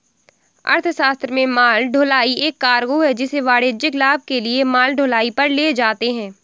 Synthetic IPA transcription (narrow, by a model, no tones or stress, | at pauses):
ɐ̰ɾt̪ʰʃaːst̪ɾəmẽmaːlɖʱoːlaːieːkːaːɾɡoɦɛd͡ʒɪseʋaːɽeːd͡ʒɪklaːb̚ʱkeliemaːlɖʱoːlaːipɐɾleːd͡ʒaːt̪eɦɛ̃ː